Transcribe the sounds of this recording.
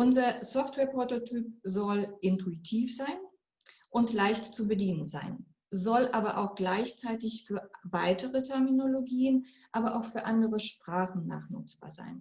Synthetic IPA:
ʔʊnzɐsɔftv̥ɛːɐpʁototʰyːp̚zɔlʔɪntuitʰiːfz̥aɪn | ʔʊntlaɪçtt͡subədiːnənza̰ɪn | zɔlʔaːbɐʔa̰ʊxɡ̥laɪçt͡saɪtɪçfyːɐvaɪtəʁətʰɛɐminoloɡiːənʔaːbɐʔaʊxfyːɐʔandəʁəʃpʁ̥aːχn̩na̰ːχnʊ̰t͡sb̥a̰ːɐza̰ɪn

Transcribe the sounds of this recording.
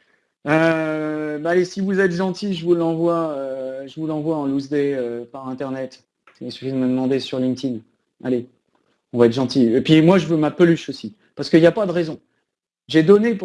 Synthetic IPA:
ø | baːlesivuzɛt̪ʒɑ̃t̪iʒəvulɑ̃vwaøʒəvulɑ̃vwaɑ̃luzd̪eøpaʁɛ̃t̪ɛʁnɛt̪ | əsy̥fid̪əməd̪əmɑ̃d̪esyʁlĩŋt̪in | a̰le | ɔ̃vaɛt̪ʒɑ̃t̪iepɥimwaʒəvømapəlyʃosi | paʁsə̥kəiljapad̪əʁɛzɔ̃ | ʒed̪ɔnep

